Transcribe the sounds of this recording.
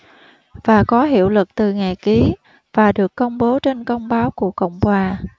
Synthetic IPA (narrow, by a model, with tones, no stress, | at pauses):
vaː˨˩kɔ˨˦ɦḭ˧˨əwlɨ˨˩k̚t̪ɨ˨˩ŋa˨˩jki˨˦ | v̥aː˨˩ɗɨ˨˩əkːə˧wŋ͡mɓo˨˦t͡ɕe˧nkə˧wŋ͡mɓaː˨˦wku˧˩əkə̰˧˨wŋ͡mkwaː˨˩